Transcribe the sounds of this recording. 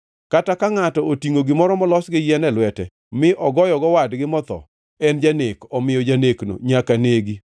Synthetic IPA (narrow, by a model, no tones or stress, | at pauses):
katakaŋatɔotiŋoɡɪmɔɾɔmɔlɔsɡɪjɛnɛlwɛtɛ | mɪʔɔɡɔjɔɡɔwadɡɪmɔt̪ɔ̰ | ɛnd͡ʒanekɔmɪjɔd͡ʒanekno̰ɲakaneɡi